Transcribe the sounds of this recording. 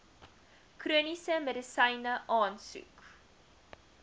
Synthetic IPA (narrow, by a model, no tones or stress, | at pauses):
kruənisəmədəsɐjnəʔɑːnsṵk